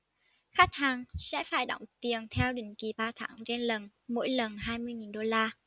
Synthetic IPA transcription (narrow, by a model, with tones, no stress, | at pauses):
xa˦˥k̟̚haː˨˩ŋsɛ̰˧˥faː˧˩jɗo̰˧˩wŋ͡mt̪i˨˩ənt̪ʰɛ˧wɗï˧˩ŋ̟ki˨˩ɓaː˧t̪ʰaː˧˩˦ŋt͡ɕe˧nlə˨˩n | mo̰˧˥jlə˨˩nɦaː˧jmɨ˧əjŋi˨˩nɗo˧laː˧